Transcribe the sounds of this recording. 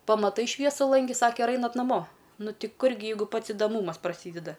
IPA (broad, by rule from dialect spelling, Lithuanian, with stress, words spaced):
pɐmɐˈtɐɪ ˈʃʲʋʲiɛsʊ lˠɐŋʲˈɡʲɪ ˈsɑːkʲɛ ɪr ˈɐɪnɐt nɐˈmoː ˈnʊ ˈtʲɪ ˈkʊr ɡʲɪ ˈjɛɪɡʊ ˈpɐts ɪdɐˈmuːmɐs prɐˈsʲiːdʲɛdɐ